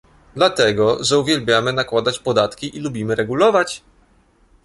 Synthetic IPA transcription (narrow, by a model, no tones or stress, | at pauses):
d̪lat̪ɛɡɔʐɛuvʲjɛlbʲjamɘnakwad̪at͡ɕpɔd̪at̪kʲiʔilubʲimɘɾɛɡulɔvat͡ɕ